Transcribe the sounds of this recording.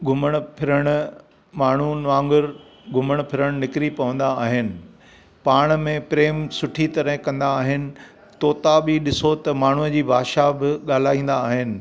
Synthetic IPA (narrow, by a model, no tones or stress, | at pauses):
ɡʱʊməɽ̃ʊ̆pʰɪɾəɽ̃ʊ | maːɳ̤unʋãːŋɡəɾ | ɡʱʊməɽ̃ʊpʰɪɾəɽ̃nɪkɪɾipɐʋə̃nd̪aːɦɪnɪ̆ | paːɽ̃mẽpɾeːmsʊʈʰit̪ɐɾə̃ɦkɐ̃nd̪aːɦɪnɪ̆ | t̪oːt̪abiɗɪsot̪ɐmaːɳ̤uəd͡ʑiːbʱaːʃabɪɠaːl̤aːĩːn̆d̪aːɦɪnɪ̆